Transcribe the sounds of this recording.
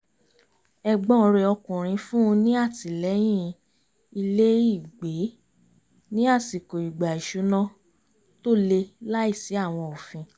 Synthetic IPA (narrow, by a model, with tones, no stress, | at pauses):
ɛ˧ɡ͡bɔ̃˦˧ɾe˧ɔ˧kũ˨ɾ̃ĩ˧fũ˦ũ˧nĩ˦a˦˨ti˨lɛ˨˦j̃ĩ˦ | i˧le˦i˦˨ɡ͡be˨˦ | nĩ˦a˦˨si˨ko˨i˨ɡ͡ba˨i˨ʃu˨˦nã˦ | to˦˨le˧la˦i˦˨si˨˦a˦˨w̃ɔ̃˧ɔ˨fĩ˧